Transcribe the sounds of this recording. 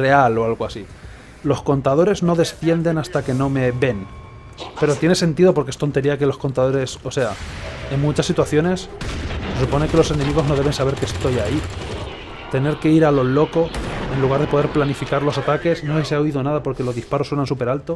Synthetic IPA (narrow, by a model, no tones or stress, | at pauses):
re̞alo̞alɣoasi | lo̞sko̞nt̪að̞o̞ɾe̞zno̞ðe̞sθje̞nd̪e̞nast̪ake̞no̞me̞βe̞n | pe̞ɾo̞t̪je̞ne̞se̞nt̪iðo̞poɾkee̞st̪o̞nt̪e̞ɾiake̞lo̞sko̞nt̪aðo̞ɾe̞so̞seae̞mmut͡ʃasːit̪waθjo̞ne̞sse̞s̬upo̞ne̞ke̞lo̞se̞nemiɣ̞ozno̞ðe̞β̞e̞nsaβ̞e̞ɾkest̪o̞jai | t̪e̞ne̞ɾke̞iɾalo̞lo̞ko̞e̞nluɣ̞aɾð̞epo̞ð̞e̞ɾplanifikaɾlo̞sat̪ake̞sno̞eseaoiðo̞naðapo̞ɾke̞lo̞zðispaɾo̞swe̞nansupe̞ɾalt̪o̞